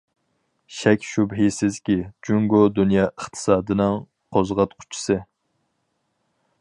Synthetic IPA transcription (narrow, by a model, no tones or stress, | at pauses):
ʃɛkʲʃubɦisɪzkʲid͡ʒuŋɡod̪unjɑːʔəχt̪ʰɨ̥sɑːd̪ɨnɨŋ | qʰozʁɑt̪qʰʊ̥t͡ʃʰi̥sɨ